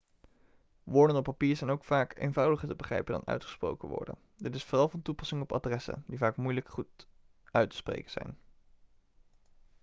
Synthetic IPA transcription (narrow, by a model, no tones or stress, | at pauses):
ʋʊːɹdənɔpːapiːɹzɛjnowkfaːkḛjnvɑwdəχəɹtəbəχrɛ̰jpəndɑ̰nœ̰ɥtχə̥spro̰wkəʋɔ̰ɹdə̰n | dɪtɪsfoːrɑlˠvɑntupɑsɪŋəɔpa̰drɛsə̰ndivaːkmujləkχut | ʔœɥtə̥sprḛjkənz̥ɛ̰jn